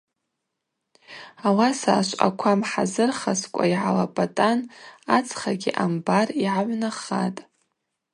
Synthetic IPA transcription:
awasa̰ːʃʷʼa̰kʷʰamħazɨrχaskʷʼa̰iʕalapʼatʼanat͡sʰʼχaɡʲiʔambariʕaʕʷnaχa̰tʼ

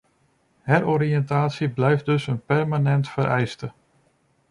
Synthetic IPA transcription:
hɛroɾiɛntaːtsiblɛjfdɵsənpɛrmanɛntfəɾʔɛjstə

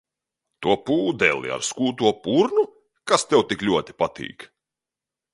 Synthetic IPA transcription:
t̪uɔpuːd̪ɛ̰lḭa̰ɾskuːt̪uɔpuɾnu | kast̪ɛwt̪iklʲuɔt̪ʲi̥pat̪ʰḭːk

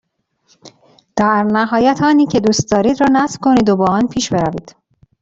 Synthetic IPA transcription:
d̪̥æɾnæɦɒːjæt̪ʰɒːniːcʰe̞d̪uːst̪̚d̪ɒːɾiːd̪ɾɒːnæsv̥kʰo̞niːd̪obɒːɒːnpʰiːʃbe̞ɾæviːd̪̥

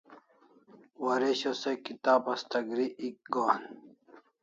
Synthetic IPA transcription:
wɐɾeɕosekit̪aːpɐst̪ɐɡɾiʔik̚ɡoːn

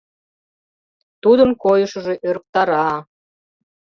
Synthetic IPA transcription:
t̪ud̪ənkojəʃəʒe̽ʔøɾk̚t̪ɑɾɑ

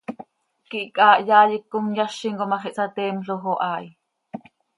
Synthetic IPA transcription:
kiʔkʼɑːʔjɑːjikːoŋjɑʃːiŋkomɑχiʔsɑt̪ɛːmɬoxoʔɑːj

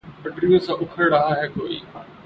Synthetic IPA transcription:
pɐɖɾijõsãːʔʊkʰəɾɽaɦaɦeːkoːḭː

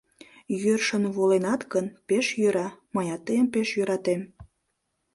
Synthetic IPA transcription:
jørʃənβolenɑt̪ɡənpeʃjøɾɑməjɑt̪ːəjəmpeʃjøɾɑt̪em

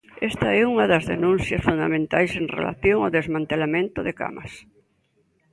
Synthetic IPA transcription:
ɛst̪ɐɛuŋɐðɐzðenũnθjɐsfund̪a̰mẽnt̪ajseŋrḛla̰θjoŋaðezmãnt̪elamẽnt̪ʊðɪka̰mɐs

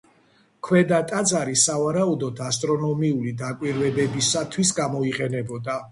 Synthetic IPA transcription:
kʰwɛd̪at̪ʼat̪zʼaɾisavaɾaud̪ɔt̪ʰast̪ʼɾɔnɔmiulid̪akʼwiɾvɛbɛbisat̪ʰwisɡamɔiqʼɛnɛbɔd̪a

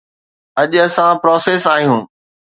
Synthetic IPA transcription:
ɐʄɐsãpɾɔːseːsaːɦijũː

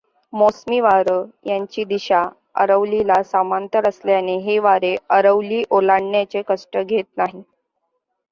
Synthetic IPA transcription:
mosmiʋaɾəjaɲt͡ɕiːd̪iɕa | ə̰ɾəʋlilasamant̪əɾəsljaneɦeʋaɾeəɾəʋliːʔolaɳːjat͡sekəʂʈəɡʱet̪naɦi

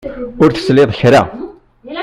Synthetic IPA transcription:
ʊɾθə̥slɪðˤçɾa̰

